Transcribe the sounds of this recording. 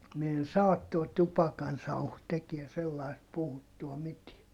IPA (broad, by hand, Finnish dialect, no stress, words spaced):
mi en sɑːt tuo tupɑkɑnsɑuhu tekie selːɑist puhutːuɑ mitie